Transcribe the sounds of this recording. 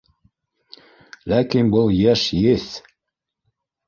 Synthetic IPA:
lækinbɤlˠjæʃjeθ

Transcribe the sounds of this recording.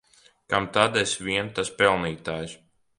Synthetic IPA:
kamt̪ad̪ɛsvʲiɛnt̪aspɛlˠniːt̪aːj

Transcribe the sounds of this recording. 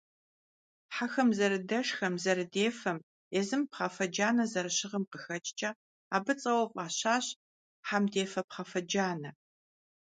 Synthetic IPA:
ħaxɐmzɐɾɨdɐʂxɐmzɐɾɨdeːfɐm | ezɨmpχɐfɐd͡ʒaːnɐzɐɾɨɕɪʁɐmqəxɐt͡ʃʼt͡ʃʼɐ | aːbɨt͡sʼɐwɐqʷʼaːɕaːɕ | ħamdeːfɐpχɐfɐd͡ʒaːnɐ

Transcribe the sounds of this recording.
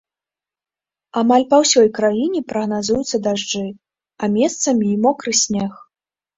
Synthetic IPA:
amalʲpɐwsʲɔjkɾajinʲɛpɾɐɣnazujut̪sːɐd̪aʐd͡ʐɨ | amʲɛst̪sɐmʲiːmɔkɾɨsʲnʲɛx

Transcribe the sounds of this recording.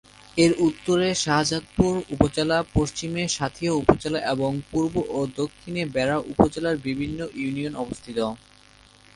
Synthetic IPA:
eɾut̪ːoɾeʃaɦad͡ʑat̪̚puɾupod͡ʑelapoʃt͡ɕimeʃat̪ʰioupot͡ɕelaʔeboŋpuɾboʔod̪okʰːinebɛɾaʔupod͡ʑelaɾbibʱinːoʔjunionɔbost̪ʰit̪o

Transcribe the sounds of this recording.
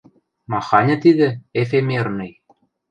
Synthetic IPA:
mɑxɑnʲɤ̆t̪iðɘ̆efemernɤj

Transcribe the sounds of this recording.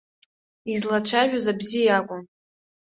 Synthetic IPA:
izlat͡ʃʷʰaʒᶣazabzijakʷʼʊm

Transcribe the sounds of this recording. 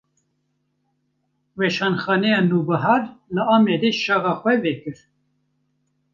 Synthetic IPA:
wɛʃɑːnxɑːnɛjɑːnuːbɨɦɑːɾlɨɑːmɛd̪eʃɑɣɑːxwɛvɛkɨɾ

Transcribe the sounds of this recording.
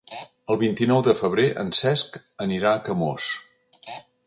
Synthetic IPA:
əlˠβint̪inɔwðəfəβ̞ɾeʔə̰nsɛsk | əniɾaəkəmos

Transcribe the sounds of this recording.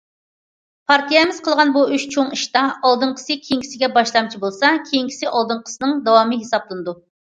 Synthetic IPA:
pʰɑɾt̪ʰijɛmɪz̥qʰəlˠʁɑnbuyʃt͡ʃʰoŋiʃt̪ɑɑlˠd̪ɨŋqʰə̥sɨkʲʰejiŋkʲi̥sɪɡʲɛbɑʃlˠɑmt͡ʃʰibolˠsɑkʲʰejiŋkʲʰi̥sɪʔɑlˠd̪ɨŋqʰə̥sɨnɨŋd̪ɑwɑmɨɦesɑblˠɨnɨd̪u

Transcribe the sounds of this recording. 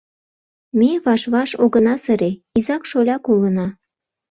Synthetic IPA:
mʲeβɑʃβɑʃoɣənɑsəɾeizɑkʃolʲɑkolənɑ

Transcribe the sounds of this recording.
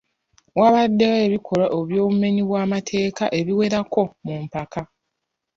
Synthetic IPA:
waβadːeweβikʰo̞ɾaʔoβjo̞ːβume̞ɲiβwaːmatʰe̞ːkaʔe̞βiwe̞ɾako̞mumpaka

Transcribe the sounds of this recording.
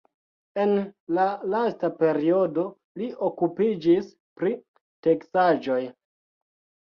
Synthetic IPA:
e̞nlalastape̞ɾio̞do̞ | liʔokupid͡ʒis | pɾi | te̞ksad͡ʒo̞j

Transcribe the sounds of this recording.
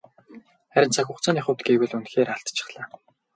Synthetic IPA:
χæɾʲɪ̆nt͡sʰaxʲʊχt͡saːnaχʊ̆wt̪ɡeːwɘ̆ɮunt̪xeːɾaɬt̪t͡ɕʰɪ̥̆χɮaː

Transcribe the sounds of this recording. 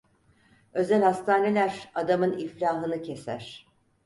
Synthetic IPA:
ø̞zælʲhast̪ʰaːne̞lʲæɾad̪amɯniflʲaːɦɯnɯcʰesæ̰ɾ̥

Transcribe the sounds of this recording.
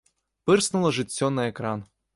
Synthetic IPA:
pɨrsnulˠɐʐɨt͡sʲːɔnɐɛkɾan

